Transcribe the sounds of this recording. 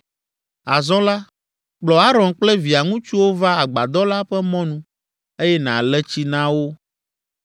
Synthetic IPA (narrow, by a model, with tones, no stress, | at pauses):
a˨zɔ̃˦la˦ | k͡plɔ˨a˦ɾɔ̃˨nk͡plɛ˦vi˨a˨ŋũ˦t͡ʃu˦wo˦va˦a˨ɡ͡ba˨d̪ɔ˦la˦ɸɛ˦mɔ̃˦nũ˦ | e˦jɛ˦ñ˨ã̰˨lɛ˦t͡ɕi˦nã˦wo˦